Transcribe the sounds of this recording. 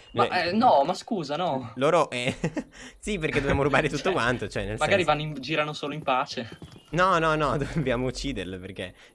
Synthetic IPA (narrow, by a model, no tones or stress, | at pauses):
ma̰ʔɛnɔmaskuːzanɔloːɾoʔɛ | sip̬erked̪objaːmoɾubaːɾet̪ut̪ːokwant̪ot͡ʃoɛnːelsmaɡaɾivanːoimd͡ʒiːɾanosoːloimpaːt͡ʃenɔnɔnɔd̪ovbjaːmout͡ʃːiːd̪erleperk̟e